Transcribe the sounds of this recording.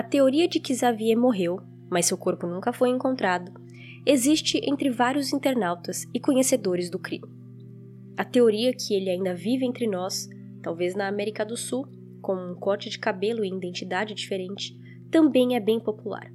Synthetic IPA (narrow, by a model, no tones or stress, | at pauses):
ɐt̪eoɾiɐd͡ʒɪkɪzaviɛmoɦew | mɐsːewkoɾpʊnũŋkɐfojẽŋkõnt̪ɾad̪ʊ | ezist͡ʃɪʔḛ̃nt̪ɾɪvaɾjʊzĩnt̪eɾnawt̪ɐsɪkõɲesed̪oɾɪzd̪ʊkɾḭ̃mɪ | ɐt̪eoɾiɐkʰɪelɪaĩnd̪ɐvivɪẽnt̪ɾɪnɔs | t̪awveznɐːmɛɾikɐd̪ʊsuw | kõmʊũkɔɾt͡ʃɪd͡ʒɪkabelʊẽid̪ẽnt͡ʃid̪ad͡ʒɪd͡ʒifeɾẽnt͡ʃɪ̥ | t̪ɐ̃mbẽj̃ɛbẽj̃popula̰ɾ